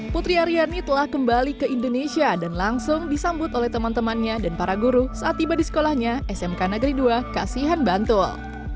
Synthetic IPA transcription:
put̪ɾiaɾiarnit̪əlahkəmbalikəindonesiadanlaŋsʊŋdisambʊt̪olɛht̪əmant̪əmanɲadanpaɾaɡuɾusaat̪ːibadisə̥kolahɲaʔɛsɛmkanəɡɾiduakasiɦanbant̪ʊl

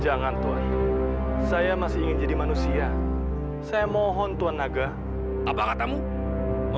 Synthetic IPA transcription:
d͡ʒaŋant̪uan | sajamasɪiŋɪnd͡ʒadimanusia | sajamɔɦɔnt̪uanːaɡa | apakat̪amu

